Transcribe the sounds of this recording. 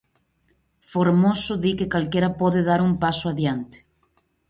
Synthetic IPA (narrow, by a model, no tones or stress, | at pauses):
foɾmosʊðikekalkeɾɐpɔðɪðaɾumpasʊaðjant̪e̥